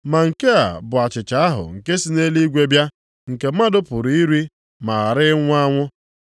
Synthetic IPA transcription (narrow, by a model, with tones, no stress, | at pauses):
ma˨ŋ̩˨ke˦a̰˨bʊ˨a˨t͡ʃɪ˨t͡ʃa˦a˦ɦʊ̰˨ŋ̩˨ke˦si˦ne˦li˦ɡʷe˦bja˦ | ŋ̩˨ke˨m̩˦a˦dʊ˦pʊ˨ɾi˦ɾi˦ | ma˨a˨ɾɪ˦ŋʷʊ˦a˦ŋʷʊ˦